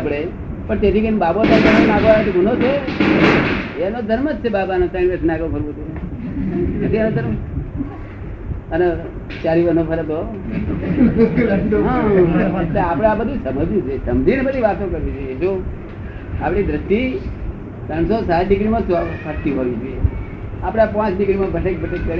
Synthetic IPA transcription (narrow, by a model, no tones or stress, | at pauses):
apɽ̃e | pəɳt̪et̪ʰikembabosãkəssnaɡoaet̪ibunot͡ʃʰe | eənod̪ʱəɾməd͡ʒt͡ʃʰebabanosãɳpəsnaɡokəɾʋõt͡ʃ̪ʰe | nət̪ʰiənod̪ʱəɾmə | əne | t͡ʃaɾiʋənopəɾət̪o | ɦãeʈleapɽ̃abəd̪ʱũsəməd͡ʒũt͡ʃʰesəmd͡ʒinebəd̪ʱiʋat̪okəɾʋit͡ʃʰojeeʃõ | apɽ̃id̪ɾɪst̪i | t̪əɳsosat̪ɖɪɡɾimãspʰəɾt̪iɦojũd͡ʒoje | apɽ̃apãt͡ʃɖɪɡɾimãbʱəʈek̚bʱəʈekkəɾ